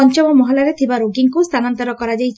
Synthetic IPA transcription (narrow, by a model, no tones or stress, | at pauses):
ɔnt͡ʃɔmɔmɔɦɔlaɾet̪ʰibaɾoɡiŋkust̪ʰanɔnt̪ɔɾɔkɔɾad͡ʒajʰ